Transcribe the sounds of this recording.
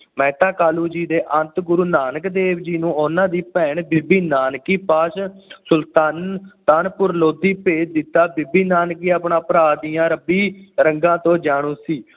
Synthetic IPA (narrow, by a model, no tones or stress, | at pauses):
mɛ̃ːt̪ãːkaːluːd͡ʒiːd̪eːʔə̃nt̪ɡʊɾuːnaːnəkd̪eːʋd͡ʒiːnũːʊnãːd̪iːpɛːɳbɪbiːnaːnkiːpaːʃsʊlt̪aːnt̪aːnpʊɾloːd̪iːpeːt͡ʃd̪ɪt̪ːaːbɪbiːnaːnkiːaːpɳaːpəɾaːd̪ijãːɾəbiːɾəŋɡãːt̪õːd͡ʒaːɽ̃ũːsiː